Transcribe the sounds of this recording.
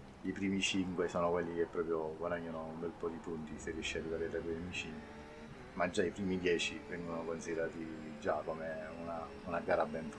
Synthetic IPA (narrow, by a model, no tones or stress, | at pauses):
ipɾiːmit͡ʃiŋkwesoːnokwelːik̟epːɾɔːpɾjoɡwad̪aɲːanoumbɛlpɔːd̪ipunt̪iserːiɛʃːaikad̪ɛɾɾɛkojamit͡ʃin | mad͡ʒːaipɾiːmid̪jɛːt͡ʃivɛŋɡonokonsid̪eɾaːt̪id͡ʒakomeuna | unaɡaːɾabɛɱf